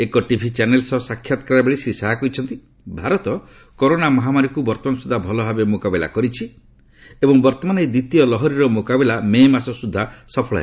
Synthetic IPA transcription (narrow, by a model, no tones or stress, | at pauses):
ekɔʈibʱit͡ʃanelsɔsakʰjat̪ɔ̥kɾaɾabeɭisɾisaɦakɔit͡ʃʰɔnt̪i | bʱaɾɔt̪ɔ | koɾonamɔɦamaɾikubɔɾt̪ɔmanɔsud̪ʱabʱɔlɔbʱabemokabila̰kɔɾit͡ʃʰi | ebɔŋbɔɾt̪ɔmanejd̪it̪ijɔlɔɦɔɾiɾɔmokabilamemasɔsud̪ʱːasɔpʰɔɭa̰ḛ